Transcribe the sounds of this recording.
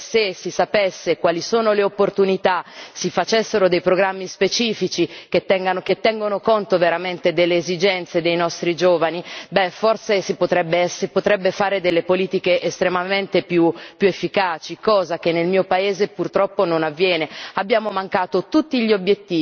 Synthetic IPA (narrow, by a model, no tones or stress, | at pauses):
sesisapesːekwaːlisoːnoleopːort̪unit̪asifat͡ʃesːeɾod̪ejpɾoɡɾamːispet͡ʃiːfit͡ʃiket̪ːɛŋɡanoket̪ːɛŋɡonokont̪oveɾament̪ed̪elːeːzid͡ʒɛnt̪sed̪ejnɔst̪ɾid͡ʒoːvanibɛforsesipot̪ɾɛbːeɛsepot̪ɾɛbːefaːɾed̪elːepoliːt̪ikeʔest̪ɾemament̪epjupːjuefːikaːt͡ʃikɔːzak̟enːelmiːopaeːzepurt̪ɾɔpːononavːjɛːneabːjaːmomaŋkaːt̪ot̪ut̪ːiʎiobjet̪ːiː